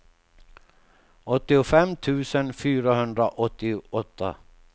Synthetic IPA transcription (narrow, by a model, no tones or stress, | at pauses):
ɔt̪ːɪʊfɛmːt̪ʰʉ̟ːsənfyːɾaɦɵnd̪ɾaʔɔt̪ːɪɔt̪ʰːa̰